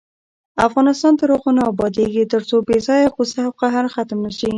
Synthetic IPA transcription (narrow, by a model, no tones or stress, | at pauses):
afɣɑnɪst̪ɑnd̪əɾoɣʊnɑbɑd̪eɡet̪əɾt͡sobezɑjaqusaawqaɦaɾxat̪mnaʃi